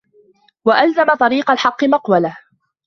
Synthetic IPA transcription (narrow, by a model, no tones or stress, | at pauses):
waʔalzamat̪ˤɑɾiːqalħɑqːɨmɑqwala